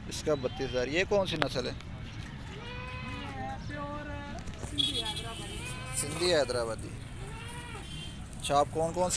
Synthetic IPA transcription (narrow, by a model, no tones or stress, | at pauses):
ɪskaːbət̪ːɪszaːɾjeːkoːnsinəsəleː | sɪnd̪iːeːd̪ɾaːbad̪ḭ | t͡ʃʰaːp̚koːnkɔːns